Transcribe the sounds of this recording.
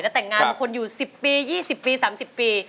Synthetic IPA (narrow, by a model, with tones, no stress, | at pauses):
jɛ˦˥˩t̪ɛː˨˩ŋːaː˧˩kʰo˧njuː˨˩si˨˩pːiː˧jiː˥˩si˨˩pːiː˧saː˩˦msi˨˩pːiː˧